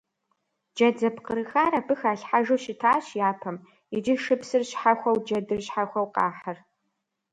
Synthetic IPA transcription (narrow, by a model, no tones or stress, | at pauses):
d͡ʒɐd͡zɐpqəɾɨxaːɾɐbɨxaːɬħaʒoʃɪtʰaːɕjaːpʰɐm | ɪd͡ʒɪʂɨpsɨrɕħaxʷɐwd͡ʒɐdɨrɕħaxʷɐwqɑːħɐr